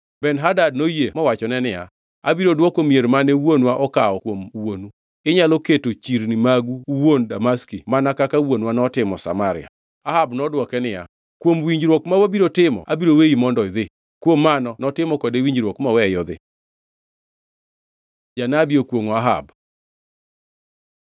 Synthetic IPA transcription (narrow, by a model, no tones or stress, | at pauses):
bɛnɦadad̚nojemɔwat͡ʃɔnɛnɪja̰ | a̰biɾodwɔkomieɾmanɛwonwaʔɔkaɔkwomwonu | ɪɲaloketot͡ʃiɾnɪmaɡuwondamaskimanakakawonwanɔtɪmɔsa̰maɾɪa̰ | aɦabnɔdwɔkɛnɪja̰ | kwomwiɲd͡ʒɾwɔkmawabiɾotɪmɔ̰ʔabiɾoweimɔndɔɪðɪ | kwomːanɔnɔtɪmɔkodewiɲd͡ʒɾwɔkmawɛjɔd̪ɪ̰ | d͡ʒanabiokwoŋaɦa̰b